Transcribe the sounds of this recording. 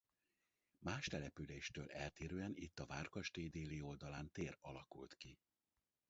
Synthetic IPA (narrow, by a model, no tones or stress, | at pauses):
maːʃt̪ɛlɛpyleːʃt̪øːlʔɛlt̪eːɾøːɛnit̪ːɒvaːrkɒʃt̪eːd̪eːlio̞ld̪ɒlaːnt̪eːrɒlɒkult̪ki